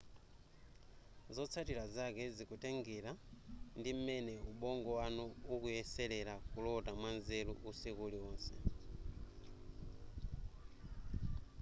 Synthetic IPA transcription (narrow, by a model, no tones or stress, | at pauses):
zɔt͡sʰatiɾazakɛzikutɛŋɡɛɾandim̩mɛnɛuɓɔŋɡɔwanuukujɛsɛlɛɾakulɔtamwanzɛlṵʔusikuliɔːnsɛ